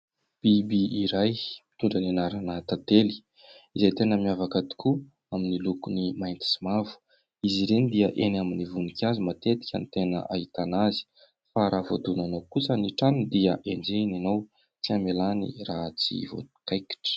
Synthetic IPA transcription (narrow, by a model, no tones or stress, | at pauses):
b̥ibiiɾajmi̥t̪uɳɖ͡ʐənenaɾanat̪at̪eli̥ | izejt̪enəmiavakad̪i̥ku | aminilukunimajnt̪i̥simavu̥ | iziɾenid̪iəʔenaminivunikʰʲazimat̪et̪i̥kʲə̰nit̪enə̰ʔaɦit̪anazi̥ | faɾʔavod̪unanowkut͡səniʈ͡ʂand̪iəʔend͡ʒenanow | t͡siamelanḭrat͡sḭvo̰t̪u̥kajki̥ʈ͡ʂə̥